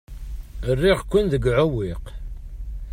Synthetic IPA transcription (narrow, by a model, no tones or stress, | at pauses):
ərːiʁkʷːʊnðəɡʕʊwiq